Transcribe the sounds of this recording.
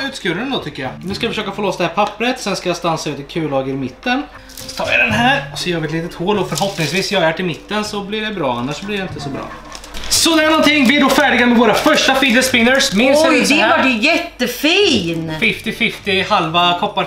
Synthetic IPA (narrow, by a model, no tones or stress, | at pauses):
ʉ̟ːt̪skʉɾənd̪ɔt̪ʰʏkːəjɑnʉ̟skajafəʂøːkafoːlɔsd̪ɛhæːɾpʰapːɾət̪sɛnskajast̪ansaʉ̟ːt̪ɪkʰʉ̟ːlɑːɡəɾɪmɪt̪ːən | st̪ʰɑ̰ːja̰d̪ɛnɦæːɾsɔjɑːɡəɛt̪liːt̪ət̪hoːlɔfœɾɦɔpnɪŋsviːsjɑːhaɾɛːʈɪmɪt̪ːənsɔblɪɖɛbɾɑ̰ːanːaʂːɔblɪɖɛɪnt̪əsɔbɾɑ̰ː | sɔd̪ɛɾjanɔnt̪ʰɪŋːvɪɛɖɔfæːɖɪɡamɛvoːɾafœʂʈafid̪əspɪnːəɾsmɪnd̪ɛvaɖɛjɛt̪ːəfiːnfɪft̪ɪfɪft̪ɪhalvakʰɔpːa